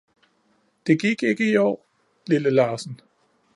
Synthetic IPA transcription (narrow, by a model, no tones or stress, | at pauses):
d̥e̝ɡ̥iɡ̥e̝ɡ̥əiɒ̰ː | liləlɑ̈ːsn̩